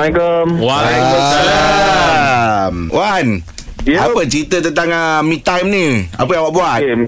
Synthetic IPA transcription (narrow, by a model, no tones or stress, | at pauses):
akəmwa | mwan | appət͡ʃɾit̪ət̪ənt̪aŋəmĩt̪ːajmnĩa̰pəjãŋwaʔbuat